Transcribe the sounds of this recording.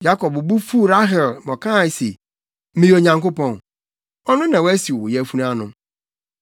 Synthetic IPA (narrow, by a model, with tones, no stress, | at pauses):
ja˦kɔ˨bbu˦fu˦˨ɾa˦ɦɛ˨lmɔ̃˨kʰã˦˨se˨ | mĩ˨˦˨o˨ɲã˨ŋko˦pɔ̃˨n | ɔ˦nʊ̃˦nã˨wæ˦si˨ɔ˨ʊ˨jɛ˦fu˦nã˦nʊ̃˦m